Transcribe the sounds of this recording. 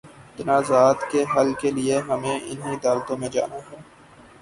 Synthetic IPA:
t̪ɐnaːzaːt̪keɦɐlkelieɦɐmẽʔɪ̰nɦĩəd̪aːlt̪õmẽd͡ʒa̰ːnaɦɛː

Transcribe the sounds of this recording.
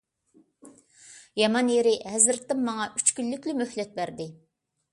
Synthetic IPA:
jɑmɑnjeɾɪɦɛzɪɾt̪ːɪmːɑŋɑʔyt͡ʃkʲylːykʲlymøhlɛt̪̚bæɾd̪ɪ

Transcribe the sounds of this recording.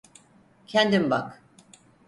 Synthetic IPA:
cʰɛnd̪imbak

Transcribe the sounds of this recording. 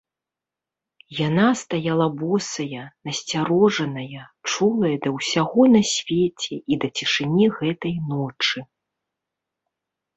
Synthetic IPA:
janast̪ajalˠɐbɔsɐjɐnɐsʲt͡sʲaɾɔʐɐnɐjɐt͡ʂulˠɐjɐd̪ɐwsʲaɣɔnɐsʲvʲet͡sʲɛʔid̪ɐt͡sʲiʂɨnʲiɣɛt̪ɐjnɔt͡ʂɨ

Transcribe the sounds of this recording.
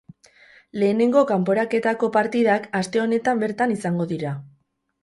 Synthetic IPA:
le̞ːne̞ŋɡo̞kampo̞ɾake̞t̪ako̞paɾt̪iðakast̪e̞o̞ne̞t̪ambe̞ɾt̪anisaŋɡo̞ðiɾa

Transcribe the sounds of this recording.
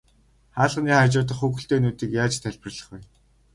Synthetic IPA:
χaːɮʁniːχarʲt͡ɕʊːt̪̬ə̆χuɣɵ̆ɬt̪eːnuːt̪iːkjaːt͡ɕt̪ʰæɮʲpɪ̆rɮə̆χɡuj

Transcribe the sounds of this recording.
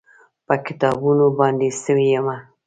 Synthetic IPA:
pəkɪ̥t̪ɑbunobɑnd̪esəwijama

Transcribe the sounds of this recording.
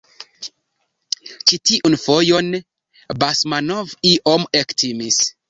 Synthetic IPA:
t͡ʃitiʔunfo̞jo̞n | basmanoviʔomektimis

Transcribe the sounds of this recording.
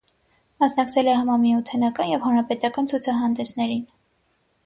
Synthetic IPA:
mɑsnɑkt͡sʰɛlɛɦɑmɑɾmiut̪ʰɛnɑkɑnjɛvhɑnɾɑpɛt̪ɑkɑnt͡sʰujt͡sʰɑɦɑnd̪ɛsnɛɾin

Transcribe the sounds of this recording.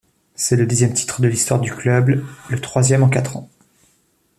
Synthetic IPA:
sɛləd̪izjɛmt̪ʰi̥t̪χəd̪əlist̪waʁd̪yklœbllət̪χwazjɛmɑ̃kat̪χɑ̃

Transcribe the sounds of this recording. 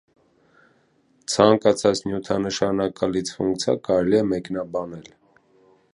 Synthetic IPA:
t͡sʰɑŋkɑt͡sʰɑt͡snjut̪ʰɑnəʃɑnɑkɑlit͡sʰfuŋkt͡sʰɑ̰kɑɾɛliɛmɛknɑbɑnɛl

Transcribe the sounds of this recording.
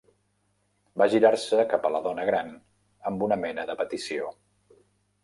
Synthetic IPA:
baʒiɾarsəkapələðɔnəɣɾan | əmbunəmɛnəðəpət̪isio

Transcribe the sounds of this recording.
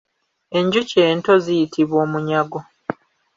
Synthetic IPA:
e̞ɲɟuce̞ːnto̞zijitʰiβwo̞ːmuɲaɡo̞

